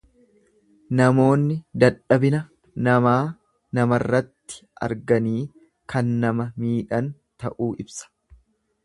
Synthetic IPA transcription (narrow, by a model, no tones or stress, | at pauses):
nɐmo̞ːnːɪd̪ɐᶑɐbɪnɐ | nɐmaː | nɐmɐrːɐt̪ːɪ̥ʔɐ̰ɾɡɐniː | kɐnːɐmɐmiːᶑɐn | t̪ɐ̰ʔuːʔɪbsɐ̥